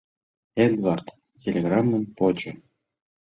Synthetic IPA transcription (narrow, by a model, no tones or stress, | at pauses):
ed̪vart̪ | tʲelʲeɡramːəmpot͡ɕo